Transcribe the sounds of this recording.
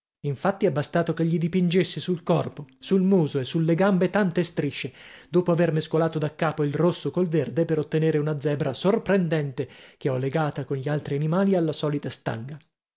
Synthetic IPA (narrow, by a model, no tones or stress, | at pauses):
iɱfat̪ːiɛbːast̪aːt̪okeʎːid̪ipind͡ʒesːesulkɔrposulmuːzoesːulːeɡambet̪ant̪est̪ɾiʃːed̪oːpoavermeskolaːt̪od̪akːaːpoilrosːokolverd̪epeɾot̪ːeneːɾeunad̪zɛːbɾasorpɾend̪ɛnt̪ek̟eɔlːeɡaːt̪akonʎialt̪ɾianimaːlialːasɔːlit̪ast̪a̰ŋɡa